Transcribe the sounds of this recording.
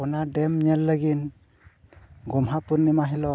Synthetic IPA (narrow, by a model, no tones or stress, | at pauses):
ɔnadɛmɲələɡin | ɡɔmɦapunːimaɦilɔ